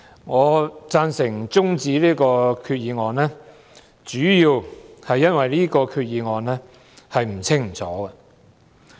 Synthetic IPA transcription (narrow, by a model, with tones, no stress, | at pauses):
ŋɔː˨˧t͡saː˧nsɪ˨˩ŋt͡sʊ˥ŋt͡siː˨˧˥liː˥kɔː˧kʰyː˧t̚jiː˨˧ŋɔː˨nlɛː˥ | t͡syː˨˥jiː˧whɐ˨jːɐ˥nwɐ˨jliː˥kɔː˧kʰyː˧t̚jiː˨˧ŋɔː˨nlɛː˥ | hɐ˨jm̩˨˩t͡sʰɪ˥ŋ̩˨˩t͡sʰɔː˨˥ɡɐ˧